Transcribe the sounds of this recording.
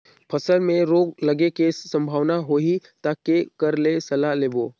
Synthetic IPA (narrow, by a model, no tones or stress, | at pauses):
pʰɐsəlmẽɾoːɡlɐɡekesɐ̃mbʱaːʋnaɦoːɦit̪akekɐɾlesɐlaleːboː